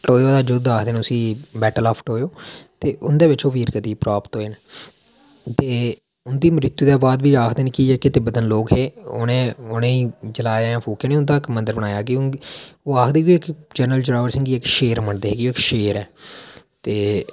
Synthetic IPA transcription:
ʈoːoːd̪aːd͡ʒʊd̪aːkʰd̪eːnʊsĩːbɛːʈəlaːpʰʈoːjoːt̪eːʔʊnd̪eːʋɪt͡ʃoːʋiːɾkət̪iːpɾaːpt̪ɦoːeːne | t̪eː | ʊnd̪iːmɾɪt̪ːuːd̪ɛːbaːd̪biːaːkʰd̪eːneːkiekɪt̪eːbəd̪ənloːkɦeːʊ̰ːnẽːʊnẽːiːd͡ʒəlaːjãːpʰuːkeːneːʊnd̪aːɪkmənd̪əɾbəɽaːjaːkɪʊoːaːkʰd̪eːkioːɪkd͡ʒənɾəld͡ʒɾaːʋəɾsɪ̃ŋɡiːɪkʃeːɾməɳd̪eːɦeːkoːɪkʃeːɾɛː | t̪eː

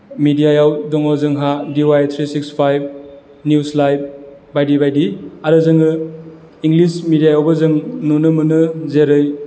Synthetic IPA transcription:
midijajawdɔŋawzɯŋɦadiwajt̪ʰɾisikspʰajb̚ | njuslajb̚bajdibajdiaɾɯzɯŋɯ | iŋlismidijajawbɐzɯŋnunɯmɯnɯzeɾɯj

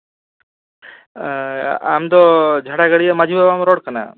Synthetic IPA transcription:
a̰md̪ɔd͡ʒʱaɽaɡaɽijamad͡ʒʱibabamɾɔɽkana̰

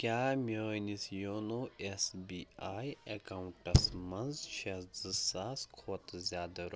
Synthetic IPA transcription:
kʲaːmʲeːnisjoːnoesbiːaːjɐkauɳʈɐsmɐnzʃɐsd͡zɨsaːskʰoːt̪zʲjaːd̪ɐɾo

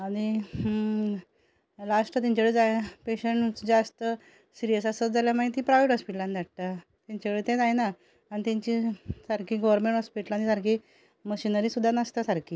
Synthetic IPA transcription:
aɽ̃i | lasʈət̪ãɲt͡ɕaʋeɭed͡zajpeɕəɳʈd͡zast̪ə | siɾijəsasət̪̚d͡zaljamaɳẽt̪ĩpɾaʋiʈɦɔspiʈland̪aʈ̚t̪a | t̪ãɲt͡ɕaʋeɭet̪ɛ̃d͡zajnaː | ɽit̪ɛ̃ɲt͡ɕisaɾkiːɡɔʋəɾmẽɳʈɦɔspiʈlanisaɾki | məɕinəɾiːsud̪ʱːanast̪asaɾkiː

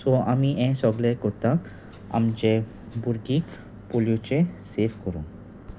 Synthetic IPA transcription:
sɔamiɛ̃sɔɡlekɔt̪ak | a̰md͡ʑe | buɾɡik | poljut͡ɕesefkɔɾṵ̃

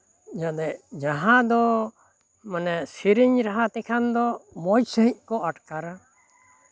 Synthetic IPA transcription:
d͡ʒad̪ɛd͡ʒaɦãd̪ɔ | manɛsiɾiɲɾaɦat̪ɛkʰand̪ɔmɔjsəɦic̪̚ˀkɔaʈkaɾa

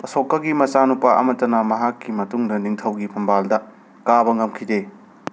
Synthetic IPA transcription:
ɐsokːɐɡimɐt͡ʃanupaʔɐ̰mɐtːɐnɐmɐɦakːimɐtuŋdɐniŋtʰɐwɡipʰɐmbaldɐ | kabɐŋɐmkʰide

